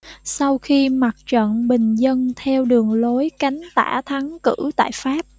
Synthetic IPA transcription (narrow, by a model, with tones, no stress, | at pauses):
sa˧wxi˧ma˨˩t̚t͡ɕə̰˧˨nɓï˨˩ŋ̟zə˧nt̪ʰɛ˧wɗɨ˨˩əŋlo˨˦jka˨˦jŋ̟t̪a̰ː˧˩t̪ʰa˨˦ŋkɨ˧˥t̪a̰ː˧˨jfaː˦˥p̚